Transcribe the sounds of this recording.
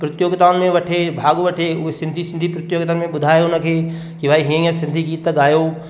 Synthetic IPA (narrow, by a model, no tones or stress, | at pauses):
pɾɐt̪joːɡt̪aːʊnmẽʋɐʈʰebʱaːɠʋɐʈʰeʊɦesɪ̃nd̪ʱisɪ̃nd̪ʱipɾɪt̪joːɡt̪ənmẽɓʊd̪ʱaːjeʊnə̆kʰeː | kiʋaːiɦĩɐsɪ̃nd̪ʱikiːt̪əɠaːjo